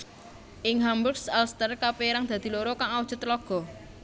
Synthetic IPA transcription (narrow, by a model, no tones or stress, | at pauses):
ʔɪŋɦamburksɛlst̪ərkapeɾaŋd̪̥ä̤d̪̥i̤loɾokaŋawu̥ʒ̥ə̤t̪lɔɡ̥ɔ̤